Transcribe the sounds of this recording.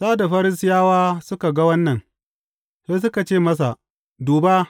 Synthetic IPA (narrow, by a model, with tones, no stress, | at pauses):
saː˦da˨ɸɐ˦ɾɪ˦sɪ˦jaː˦waː˦sʊ˦ka˨ɡa˦wɐ˦nːɐ˨n | seː˦s̬ʊ˦ka˨t͡ʃeː˦˨mɐ˦s̬a˨ | duː˨ba˦